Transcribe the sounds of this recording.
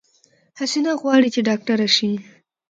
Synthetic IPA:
hasenaɣwɑɽit͡ʃeɖɑk̚ʈaɾaʃi

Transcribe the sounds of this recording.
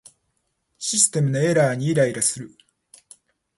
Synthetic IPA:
ɕisɨ̥t̪e̞mɯ̟no̞e̞ɾaːɲ̟iːɾaiɾasɨɾɯ̟

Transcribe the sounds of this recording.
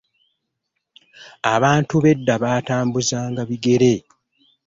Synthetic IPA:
aβaːntuβe̞dːaβaːtaːmbuzaːŋɡaβiɡe̞ɾe̞

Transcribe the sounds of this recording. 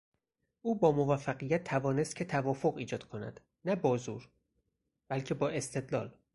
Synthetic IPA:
ʔuːbɒːmovæfːæɣijæt̪ʰːævɒːne̞st̪̚cʰe̞t̪ʰævɒːfoɣiːd͡ʒɒːd̪̥kʰonæ̰d̪̥ | næbɒːzuːɾ | b̥ælcʰe̞bɒːe̞st̪ʰe̞d̪lɒ̰ːl

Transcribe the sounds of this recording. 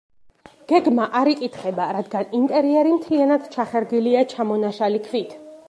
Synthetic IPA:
ɡ̥ɛɡmaʔaɾikʼit̪ʰχɛbaɾad̪ɡanint̪ʼɛɾiɛɾimt̪ʰianad̪t͡ʃʰaχɛɾɡiliat͡ʃʰamɔnaʃalikʰvit̪ʰ

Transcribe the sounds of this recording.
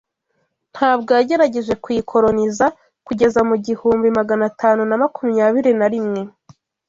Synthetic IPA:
n̥haːbɡojaɟe̞ɾaɟe̞ʒe̞kwikʰo̞ɾo̞niza | kuɟe̞zamuɟihuːmbimaɡanatʰaːnunamakumɲaːβiɾinaɾimŋe̞

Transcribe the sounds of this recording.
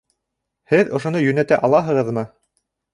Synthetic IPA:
hɘðŏʃŏnɤjɵ̆næt̪æʔɑlˠɑɦɤ̆ʁɤ̆ðmɤ

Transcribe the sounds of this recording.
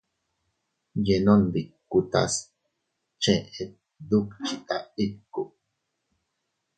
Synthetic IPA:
jenond̪ikːut̪a̰s | t͡ʃẽet̪̚ | d̪ukt͡ʃit̪ait̪̚ku

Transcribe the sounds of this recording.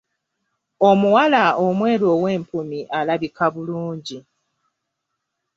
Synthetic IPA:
o̞muwalaomwe̞ːɾoːwe̞ːmpumiʔalaβikaβuluːɲɟi

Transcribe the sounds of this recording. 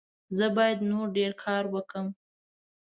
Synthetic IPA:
zəbɑjad̪noɾɖeɾkʰɑɾwəkəm

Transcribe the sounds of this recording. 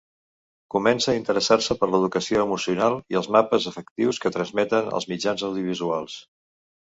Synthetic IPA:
kumɛnsəːint̪əɾəsarsəpəɾləð̞ukəsioəmusiunalˠiəlˠzmapəzəfəkt̪iwskət̪ɾənzmɛt̪ənə̰lˠzmid͡ʒanzəwðiuβ̞izualˠs

